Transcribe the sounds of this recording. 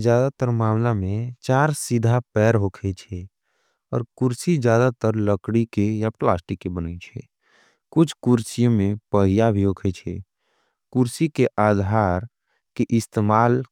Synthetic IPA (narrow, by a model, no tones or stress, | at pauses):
d͡ʒjaːd̪at̪əɾmaːmlamẽt͡ʃaːɾsid̪ʱapɛːɾɦokʰɛt͡ʃʰɛ | ɔːɾkʊɾsid͡ʒjaːd̪at̪əɾləkɽikejaplaːsʈikːebənət͡ʃʰɛ̰ | kʊt͡ʃʰkuɾsijõmẽpəɦijabʱiɦokʰɛt͡ʃʰɛ | kʊɾsikeʔaːd̪ʱaɾ | keʔɪst̪eːmaːl